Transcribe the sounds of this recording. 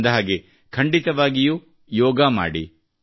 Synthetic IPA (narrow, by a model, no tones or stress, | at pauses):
nd̪ɐɦaːɡe | kʰɐɳɖit̪ɐʋaːɡijuː | jɔːɡama̰ːɽḭ